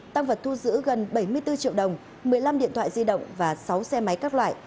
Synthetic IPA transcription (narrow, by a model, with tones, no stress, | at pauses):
t̪a˧ŋvə˨˩t̚t̪ʰu˧zɨ̰˧˥ɣə˨˩nɓə˧˩jmɨ˧əjt̪ɨ˧t͡ɕḭ˧˨əwɗə˨˩wŋ͡m | mɨ˨˩əjla˧mɗḭ˧˨ənt̪ʰwa̰ː˧˨zi˧ɗə̰˧˨wŋ͡mvaː˨˩sa˨˦wsɛ˧ma˨˦jkaː˦˥k̚lwa̰ː˧˨j